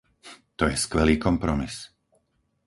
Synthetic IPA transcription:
t̪ɔjɛskʋɛliːkɔmpɾɔmis

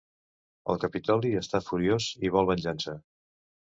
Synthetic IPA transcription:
ə̰lˠkəpit̪ɔliəst̪afuɾioziβ̞ɔlˠβənʲʒansə

